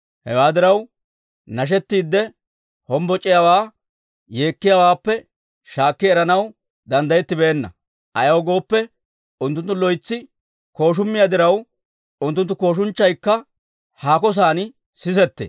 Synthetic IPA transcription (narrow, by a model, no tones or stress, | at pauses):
hɛ̰waːd̪ɪɾɐw | nɐʃ̬ɛt̪ːiːd̪ːɛ | hɔmbɔt͡ʃʼːɪjawaː | jeːkːɪjawaːpːɛ | ʃaːkːɪɛɾɐnɐw | d̪ɐnd̪ɐjɛt̪ːɪbeːnːɐ̰ | ʔɐjɐwɔɡo̞ːpːɛ | ʊnt̪ːʊnt̪ːʊlɔjt͡sːɪ | ko̞ːʃ̬ʊmːɪjad̪ɪɾɐw | ʊnt̪ːʊnt̪ːʊko̞ːʃ̬ʊnt͡ʃːɐjkːɐ | haːkɔs̬aːn | sɪs̬ɛt̪ːḛː